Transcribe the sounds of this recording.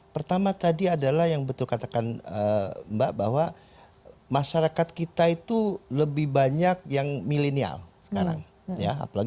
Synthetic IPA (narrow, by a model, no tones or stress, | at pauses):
pərt̪amat̪adiadalahjaŋbət̪ʊlkat̪akanəmbaʔbahwa | maʃaɾakat̪̚kit̪ait̪uləbɪhbaɲak̚jaŋmilenia̰lsə̥kaɾa̰ŋ | jaa̰palaɡ